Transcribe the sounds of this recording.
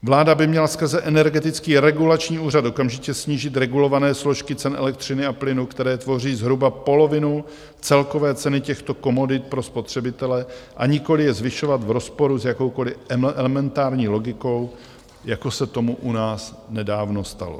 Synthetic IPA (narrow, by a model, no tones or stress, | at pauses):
vlaːdabɪmɲɛlaskr̩zɛʔɛnɛɾɡɛt̪ɪt͡skiːɾɛɡulat͡ʃɲiːuːr̝at̪ʔo̞kamʒɪcɛsɲiːʒɪt̪ɾɛɡulo̞vanɛːslo̞ʃkɪt͡sɛnʔɛ̰lɛk̚t̪r̝̥ɪnɪaplɪnukt̪ɛɾɛːt̪vo̞riːzɦɾubapo̞lo̞vɪnu | t͡sɛlko̞vɛːt͡sɛnɪcɛxt̪o̞ko̞mo̞dɪt̪̚pɾo̞spo̞t̪r̝̥ɛbɪt̪ɛlɛʔaɲɪko̞lɪjɛzvɪʃo̞vat̪vɾo̞spo̞ɾuzjako̞wko̞lɪʔɛɛlɛmɛnt̪aːɾɲiːlo̞ɡɪko̞w | jako̞sɛt̪o̞muʔunaːsnɛdaːvno̞st̪a̰lo̰